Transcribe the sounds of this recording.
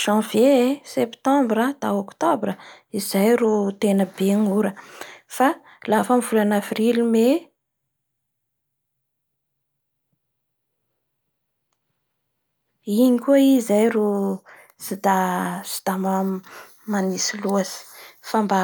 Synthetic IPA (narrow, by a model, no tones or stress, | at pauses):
ʒ̥ɑ̃vesept̪ɑ̃mbɾad̪̥aokt̪obrəizajrut̪enəbeŋuɾəfa | lafəmivulanavrilime | iɲikʲueizajɾu | sid̪asi̥d̪̥ama | manisiluasi̥famba